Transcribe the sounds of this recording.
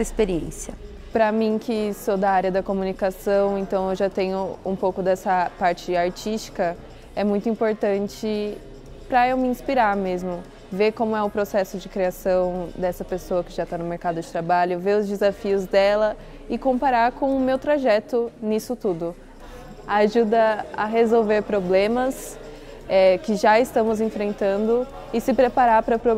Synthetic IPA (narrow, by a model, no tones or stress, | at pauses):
sɐispeɾiẽsiɐ | pɾɐmĩkʰɪsod̪ɐaɾjɐd̪ɐkomunikasɐ̃w̃ẽnt̪ɐ̃w̃ewʒat̪ẽɲʊṵ̃powkʊd̪ɛsɐpaɾt͡ʃɪaɾt͡ʃist͡ʃi̥kɐ | ɛmũj̃t̪ʊĩpoɾt̪ɐ̃nt͡ʃɪ | pɾɐewmɪĩspiɾaɾmezmʊ | veɾkõmʊɛʊpɾosɛsʊd͡ʒɪkɾiasɐ̃w̃d̪ɛsɐpesoɐkɪʒat̪anʊmeɾkad̪ʊd͡ʒɪt̪ɾabaʎʊveɾʊzd͡ʒɪzafiʊzd̪ɛlɐ | ɪkõpaɾaɾkõw̃ʊmewt̪ɾaʒɛt̪ʊnisʊt̪ud̪ʊ | aʒud̪ɐɐɦezowveɾpɾoblẽmɐs | ɛkɪʒaɪst̪ɐ̃mʊzẽfɾẽnt̪ɐ̃nd̪ʊ | ɪsɪpɾepaɾaɾpɾɐpɾo